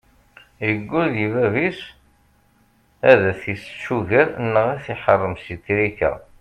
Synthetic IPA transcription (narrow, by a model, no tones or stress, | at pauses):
jəɡʷːʊðivævis | æðæθisʃuʝiɾnːəʁæθiħərˤːəmsit̪ːɾikæ̰